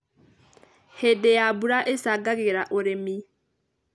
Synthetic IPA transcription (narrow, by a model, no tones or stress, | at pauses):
hedejabuɾaʔesaɡaɣeɾaʔoɾemi